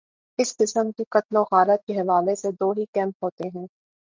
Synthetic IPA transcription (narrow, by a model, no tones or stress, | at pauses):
ɪsqɪsəmkiqɐt̪loɣaːɾət̪̚keɦɐʋaːlesed̪oːɦikɛ̃ːmpɦoːt̪eɦɛ̃ː